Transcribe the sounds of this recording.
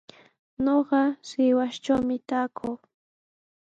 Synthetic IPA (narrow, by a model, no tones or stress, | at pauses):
noɢɑsɪwaʃʈ͡ʂawmɪt̪aːkʰʊw